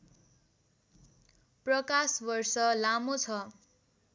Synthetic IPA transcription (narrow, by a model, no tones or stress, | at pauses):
prʌkasbʌrsʌlamot͡sʰʌ